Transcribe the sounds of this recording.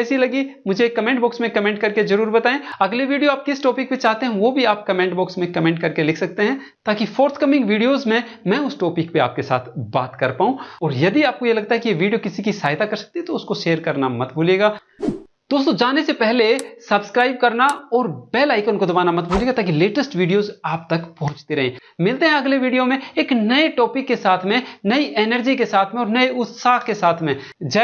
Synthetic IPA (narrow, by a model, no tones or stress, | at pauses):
ɛːsilɐɡimʊd͡ʒʱeekːɐmɛ̃ːɳʈbɔːksmẽkɐmẽːɳʈ̚kɐɾkezɐɾuːɾbɐt̪aːẽɐɡleʋiːɖijoaːp̚kɪsʈɔːpɪk̚pet͡ʃaːɦt̪eɦɛ̃ʋoːbʱiaːp̚kɐmɛ̃ːɳʈbɔːksmẽkɐmɛ̃ːɳʈ̚kɐɾkelɪkʰsɐk̚t̪eɦɛ̃ | t̪aːkifoːɾt̪ʰkɐmɪ̃ŋɡʋiːɖijozmẽ | mɛ̃ːʊsʈɔːpɪkpea̰ːp̚kesa̰ːt̪ʰba̰ːt̪kɐɾpaːũɔːɾjɐd̪iaːp̚kojelɐɡ̚t̪aɦɛkijeʋiːɖijokɪsikisaːɦɪt̪akɐɾsɐ̥k̚t̪iɦɛ̃t̪oʊskoʃeːəɾkɐɾnamɐt̪bʱuːleːɡaː | d̪̥oːst̪õd͡ʒaːnesepɛɦlesɐbskɾaːɪbkɐɾnaɔːɾb̥ɛːlaːɪkʊnkod̪ɐbaːnamɐt̪̚bʱoːleːɡat̪aːkileːʈəsʈʋiːɖijoːzaːp̚t̪ɐkpɔ̃ɦʊ̃t͡ʃt̪eɾɐɦḛ̃ːmɪlt̪eɦɛ̃ɐɡleʋiːɖijomẽeːknɐeʈɔːpɪkːesaːt̪ʰmẽnɐiʔɛːnəɾd͡ʒikesaːt̪ʰmẽɔːɾnɐeʊt̪saːkkesaːt̪ʰmẽ | d͡ʒɛ